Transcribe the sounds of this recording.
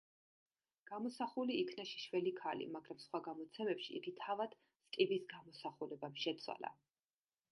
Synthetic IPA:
ɡ̥amɔsaχuliikʰnaʃi̥ʃvɛlikʰalḭmaɡɾamsχwaɡamɔt̪sʰɛmɛpʃḭḭɡ̪it̪ʰavad̪̥ | st̪ʼibisɡamɔsaχulɛbamʃɛt̪sʰwa̰la̰

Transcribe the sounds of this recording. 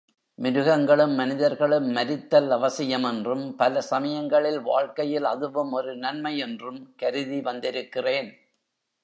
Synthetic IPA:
mɪɾɯɣɐŋɡɐɭɯmːɐnɪðɐɾɣɐɭɯmːɐɾɪt̪ːɐlɐʋɐsɪjɐmɛndrɯmpɐlɐsɐmɐjɐŋɡɐɭɪlʋaːɻkɐjɪlɐðɯʋɯmɔɾɯnɐnmɐjɛndrɯmkɐɾɯðiʋɐnd̪ɪɾɯkːɪreːn

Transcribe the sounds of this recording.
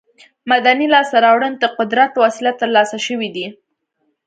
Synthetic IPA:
mad̪anilɑst̪aɾɑwɽənd̪əqʊd̪ɾat̪wɑsɪlat̪əɾlɑsaʃəwid̪i

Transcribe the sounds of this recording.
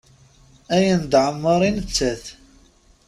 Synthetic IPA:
æjənd̪ʕəmːəɾˤinət͡sːæθ

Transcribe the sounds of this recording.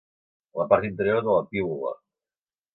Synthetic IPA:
lapaɾt̪int̪eɾjoɾðəlapiβula̰

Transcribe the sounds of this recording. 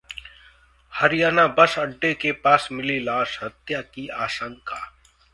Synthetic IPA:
həɾɪjaːnaːbəsəɖːekepaːsmɪlilaːʃɦɐt̪jaːkiaːʃə̃ŋkaː

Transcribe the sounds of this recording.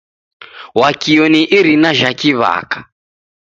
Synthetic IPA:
wakiɔniʔiɾinaʒakiβa̰ːkḁ

